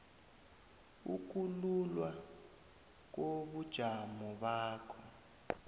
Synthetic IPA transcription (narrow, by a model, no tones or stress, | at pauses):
ṵk̬ululwa | k̬oɓud̥ʒ̥ʱamɔɓaːkʰɔ